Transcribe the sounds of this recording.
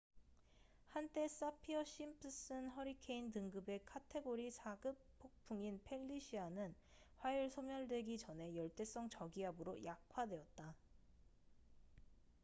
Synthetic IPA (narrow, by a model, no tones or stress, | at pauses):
hant͈e̞s͈apʰiʌɕ͈impʰɯs͈ɯnɦʌɾikʰe̞intɯŋɡɯbe̞kʰatʰe̞ɡoɾisʰaɡɯppʰːok̚pʰuŋinpʰe̞ʎːiɕʰianɯn | ɸwajuɭsʰomjʌɭdwe̞ɡit͡ɕʌne̞jʌɭt͈e̞s͈ʌŋt͡ɕʌɡiɦabɯɾojak̚ʰwadwe̞ʌt̚t͈a